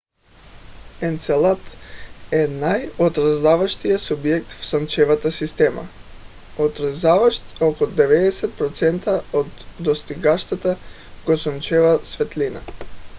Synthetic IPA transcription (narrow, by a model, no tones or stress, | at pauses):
ɛnt̪sɛlˠat̪ɛnajot̪ɾazavaʃt̪ijasubjɛk̚t̪fsɔnt͡ʃɛvat̪asist̪ɛma̰ | ot̪ɾazavaʃt̪okod̪ɛvɛd̪ɛsɛt̪̚pɾɔt̪sɛnt̪aod̪ːost̪iɡaʃt̪at̪a | ɡ̥osɔnt͡ʃɛvasvɛt̪lina̰